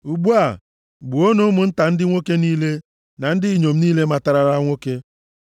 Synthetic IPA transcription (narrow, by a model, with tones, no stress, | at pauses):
u˨ɡ͡bu˦a˨ | ɡ͡bu˨o˦no˦mʊ˨n̩˦ta˨n̩˦dɪ˦ŋʷo˦ke˦niː˦le˦ | na˨n̩˦dɪ˦i˨ɲo˨m̩˦niː˦le˦ma˨ta˨ɾa˨ɾa˦ŋʷo˦ke˦